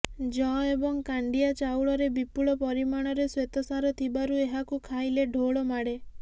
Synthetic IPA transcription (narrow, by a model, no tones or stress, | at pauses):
d͡ʒɔ̃ebɔŋkaɳɖiat͡ʃawɭɔɾebipuɭɔpɔɾimaɽ̃ɔɾeswet̪ɔsaɾɔt̪ʰibaɾueɦakukʰajleɖʱoɭɔmaɽe